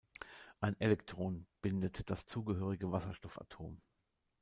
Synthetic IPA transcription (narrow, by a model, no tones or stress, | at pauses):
ʔaɪnʔɛlɛktʁ̥oːnb̥ɪndətd̥ast͡suːɡəɦøːʁ̞ɪɡəvasɐʃtɔfa̰tʰo̰ːm